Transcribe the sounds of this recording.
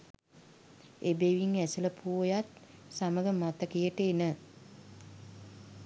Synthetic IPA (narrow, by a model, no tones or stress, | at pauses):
ebeʋiŋæsələpʰuʋojat̪saməɡəmat̪əkijəʈəːnə